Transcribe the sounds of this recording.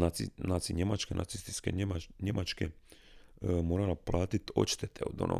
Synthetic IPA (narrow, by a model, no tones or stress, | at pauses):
anat̪siɲemat͡ʃkenʔa̰t̪sist̪i̥skeaɲemʔat͡ʃke | moːɾalaplˠaːt̪it̪o̞̰t͡ʃt̪et̪ʰeod̪o̰nʔo̰